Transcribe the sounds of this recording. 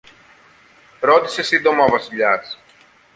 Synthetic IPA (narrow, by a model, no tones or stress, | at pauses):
ɾot̪i̥se̞sind̪omɐvɐsiʎɐs